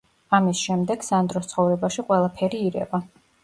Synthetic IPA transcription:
amisʃɛmd̪ɛɡsand̪ɾɔst̪sʰχɔvɾɛbaʃiqʼwɛlˠapʰɛɾiːɾɛ̰va

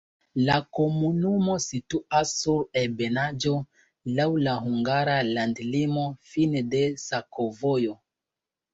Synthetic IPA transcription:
lako̞munumosituasːuɾelbenad͡ʒo̞ | lawlahuŋɡaɾalandlimo̞finedesakovojo

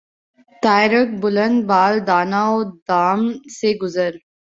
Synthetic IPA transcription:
t̪aːɪɾək̚bʊlə̃nd̪baːld̪aːnaod̪aːmseɡʊzəɾ

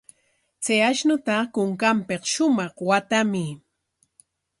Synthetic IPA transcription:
t͡seaʃnʊt̪akʊŋkampeχʃʊmɑχwat̪amɪ

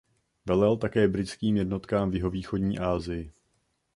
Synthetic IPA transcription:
vɛlɛlt̪akɛːbɾɪt͡skiːmjɛdno̞t̪kaːmvjɪɦo̞viːxodɲiːʔaːzɪjɪ

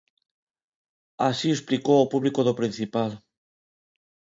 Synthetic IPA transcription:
asiesplikoopuβlikoðopɾin̟θipal

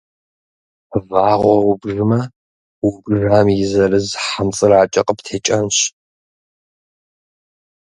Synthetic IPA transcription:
vaːʁʷɔwʊbʐɨmɐ | wʊbʐaːmjɪzɐrɨzħamt͡sʼɨraːt͡ʃʼɐqʼəptʰeːt͡ʃʼɐnɕ

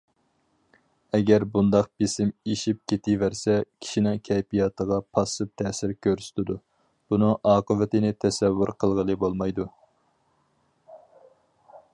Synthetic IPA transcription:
ɛɡʲæɾbund̪ɑq̚besɪmeʃip̚kʲʰet̪ʰɪvæɾsɛkʲʰi̥ʃinɨŋkʲʰɛjpijɑt̪ʰəʁɑpʰɑsɨp̚t̪ʰɛːsɪɾkʲʰøɾsy̥t̪ʰɪd̪u | b̥unɨŋʔɑːqəvɪt̪ʰɪnɪt̪ʰɛsɛvːuɾqʰəlˠʁəlˠɨbolˠmɑjd̪u

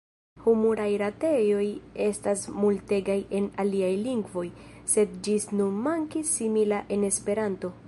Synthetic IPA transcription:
humuɾajɾate̞jo̞je̞stasmulte̞ɡaje̞naliajliŋɡvo̞j | se̞d̪d͡ʒisnunmaŋkisːimilaʔe̞ne̞spe̞ɾanto̞

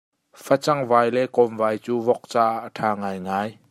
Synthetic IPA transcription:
fʰat͡sɐŋvaːjlɛkɔmvaːjt͡suːvɔk̚t͡saːʔʔtʰaːŋaːjŋaːj

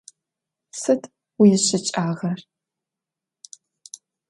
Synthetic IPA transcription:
sɨtʰ | wijɪɕɪt͡ʃʼaːʁɐr

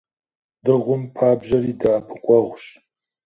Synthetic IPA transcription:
d̥ɨʁʷʊmpʰaːbʒɐɾiːdaːbʰɨqʷʼɔʁʷʃ

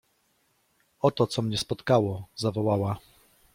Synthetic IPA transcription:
ɔt̪ɔt̪sɔmɲɛspɔt̪kawɔzavɔwawa

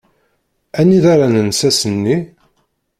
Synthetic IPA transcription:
ænːiðaɾanənsæsənːi

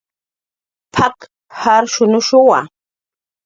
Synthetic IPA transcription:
pʰak | haɾʃʊnʊʃʊwa̰

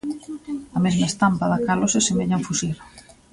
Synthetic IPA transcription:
ɐmezmaest̪ampaðakalosesemeɲaɱfusiɾ

